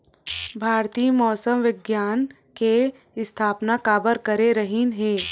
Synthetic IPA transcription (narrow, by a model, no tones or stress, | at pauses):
bʱaːɾt̪imɔːsəmʋɪɡjaːn | ke | ɪst̪ʰaːpnakaːbəɾkəɾeɾəɦinɦẽː